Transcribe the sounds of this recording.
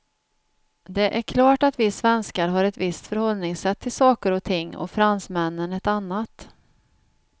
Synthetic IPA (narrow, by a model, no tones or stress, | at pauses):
d̪ɛʔæɾkʰlɑːʈat̪vɪsvɛnskaɾɦaɾɛt̪vɪst̪fœɾhɔlnɪŋsɛt̪ʰːɪlsɑːkəɾɔt̪ʰɪŋːɔ̰fɾansmɛnːənɛt̪anːat̪